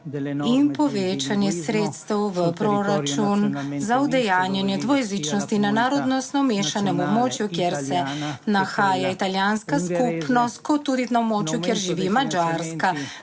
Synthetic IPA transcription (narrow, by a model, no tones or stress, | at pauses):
inpɔʋeːt͡ʃanjɛsɾet̪st̪ɛwʋəpɾoɾat͡ʃunzawd̪ɛjaːnjɛnjɛd̪ʋɔjɛzit͡ʃnɔst̪inanaːɾɔd̪nɔst̪nɔmeʃanɛmɔbmoːt͡ʃjukjeɾsɛnaxaːjait̪aljaːnskaskupnɔst̪̚kɔt̪ːuːd̪inawbmoːt͡ʃjukjeɾʒiʋimad͡ʒaɾska